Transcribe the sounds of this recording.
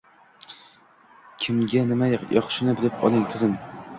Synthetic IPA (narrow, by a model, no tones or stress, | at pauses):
kʲʰɪmɡʲanɪmajjɒχʃɪnɪbɪlɪpɒ̰lˠɪŋqʰɨzɪm